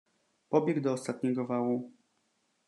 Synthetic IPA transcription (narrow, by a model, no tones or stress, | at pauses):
pɔbʲjɛɡd̪ɔːst̪at̪̚ɲɛɡɔvawu